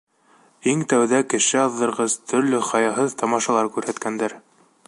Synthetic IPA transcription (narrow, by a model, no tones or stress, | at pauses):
iŋt̪æwðækɘ̆ʃɘɑðːɤ̆ɾʁɤzt̪ʰɵ̆ɾlɵχɑjɑɦɤðt̪ɑmɑʃɑlˠɑɾkʉɾhæt̪kænd̪æɾ